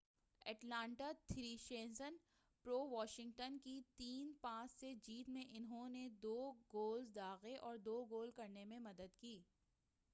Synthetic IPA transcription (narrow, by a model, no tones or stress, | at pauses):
ɛʈlãːɳʈat̪ʰɾiːʃẽːnsən | pɾoːʋɔːʃɪ̃ŋɡʈənkit̪iːnpãːsːed͡ʒiːt̪mẽʔɪnɦõned̪oːɡoːlzd̪aːɣeʔɔːɾd̪oːɡoːlkɐɾnemẽmɐd̪əd̪kiː